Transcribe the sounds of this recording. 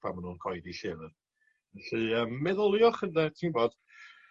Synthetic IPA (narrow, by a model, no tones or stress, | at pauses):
pʰa̰manuːnkʰɔjdiɬɪɾən | ɛɬɨəmːɛðɔlˠjɔχəndɛtʰiːnboːd̥